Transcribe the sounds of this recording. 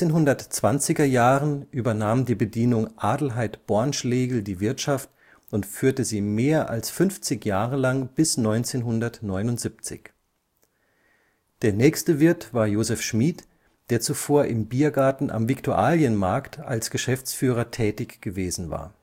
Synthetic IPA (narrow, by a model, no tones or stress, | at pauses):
eːnɦʊndɐtt͡sv̥ant͡sɪɡɐjaːʁənʔyːbɐnaːmdiːbədiːnʊŋʔaːdl̩ɦaɪtb̥ɔɐnʃleːɡl̩diːvɪɐtʃaft | ʊntfyːɐtəziːmeːɐʔa̰lsfʏnft͡sɪçjaːʁəlaŋb̥ɪsnɔʏnt͡seːnɦʊndɐtnɔʏnʊntz̥ip̚t͡sɪ̰ç | d̥eːɐnɛːçstəvɪɐtv̥aːɐjoːzɛfʃmiːt | d̥eːɐt͡sufoːɐʔɪmbiːɐɡaɐtn̩ʔa̰mvɪktʰuʔaːljənmaɐkta̰lsɡ̥əʃɛft͡sfyːʁ̞ɐtʰɛːtɪçɡ̥əveːzn̩va̰ːɐ